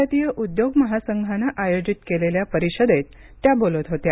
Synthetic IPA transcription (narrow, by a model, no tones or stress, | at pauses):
at̪ijəʔud̪joɡməɦasəŋɡʱanaʔajod͡ʑit̪keleljapəɾiɕəd̪et̪ː | jabolət̪ɦot̪ja